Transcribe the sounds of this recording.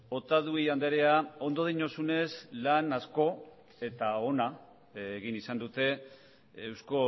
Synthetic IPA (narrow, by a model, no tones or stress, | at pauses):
o̞t̪aðuiand̪eɾe̞ao̞nd̪o̞ð̞iɲo̞sune̞slanasko̞ | e̞t̪ao̞na | ɣinisand̪ut̪e̞ | ewsko̞